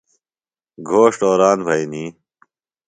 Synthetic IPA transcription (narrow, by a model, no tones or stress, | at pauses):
ɡʱoːʂʈoːɾaːnbʱɐjniː